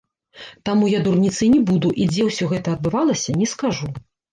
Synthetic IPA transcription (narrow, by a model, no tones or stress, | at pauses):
t̪amujad̪urnʲit̪sɨnʲɛbud̪uʔid͡zʲɛwsʲɔɣɛt̪ɐːd̪̚bɨvalˠɐsʲɐnʲɛskaʐu